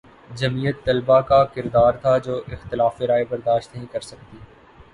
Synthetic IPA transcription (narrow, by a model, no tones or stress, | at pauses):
d͡ʒɐmijət̪ːɐlbakakɪɾd̪aːɾt̪ʰad͡ʒoːʔɪxt̪ɪlaːfɪɾaːebɐɾd̪aːʃt̪nɐɦĩkɐɾsɐk̚t̪iː